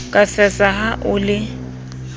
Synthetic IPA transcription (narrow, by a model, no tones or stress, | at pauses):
kʼasɛsaɦaʔʊlɪ